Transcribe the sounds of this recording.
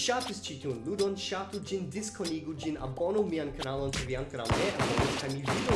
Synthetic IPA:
ʃatɨst͡ʃitʰunludɔnʃatud͡ʒɪndɪskʰɔniɡud͡ʒɪna̰bɔnumiankʰanalɔ̃ntʰɐviankɾa̰wnɛʔabɔnɔkʰamividɔ

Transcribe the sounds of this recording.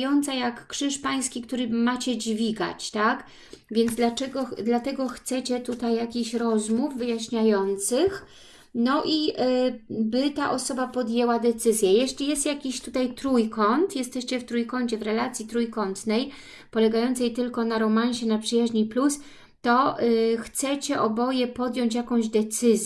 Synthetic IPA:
jɔnt̪sajakːʂɘʂpaj̃skʲikt̪uɾɘmat͡ɕɛd͡ʑvʲiɡa̰t͡ɕt̪ak | vʲjɛnd̪zd̪lat͡ʂɛɡɔd̪lat̪ɛɡɔxt̪sɛt͡ɕɛt̪ut̪ajːakʲiɕɾɔzmuvːɘjaɕɲajɔnt̪sɘx | nɔʔi | bɘt̪aʔɔsɔbapɔd̪jɛwad̪ɛt̪sɘzʲjɛjɛɕlʲijɛst̪jakʲiɕt̪ut̪ajt̪ɾujkɔnt̪jɛst̪ɛɕt͡ɕɛft̪ɾujkɔɲt͡ɕɛvɾɛlat̪sʲjit̪ɾujkɔnt̪nɛj | pɔlɛɡajɔnt̪sɛjt̪ɘlkɔnaɾɔmaɲɕɛnapʂɘjaʑɲiplus | t̪ɔxt̪sɛt͡ɕɛʔɔbɔjɛpɔd̪jɔɲt͡ɕjakɔ̃w̃ʑd̪ɛt̪sɘzʲ

